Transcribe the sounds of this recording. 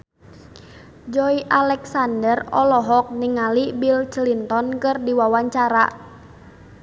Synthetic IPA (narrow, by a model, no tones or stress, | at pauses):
d͡ʒɔiʔalɛksandərɔlɔɦɔk̚niŋalibilt͡ʃəlint̪ɔnkɨrdiwawaɲt͡ʃaɾa̰